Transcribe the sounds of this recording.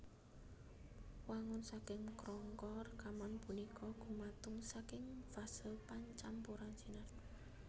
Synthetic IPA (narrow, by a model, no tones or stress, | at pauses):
waŋɔnsakɪŋkɾɔŋkɔrkamanpunikʰɔɡ̥ṳmat̪ʊŋsakɪŋfasɪlpaɲt͡ʃampuɾansinart̪̚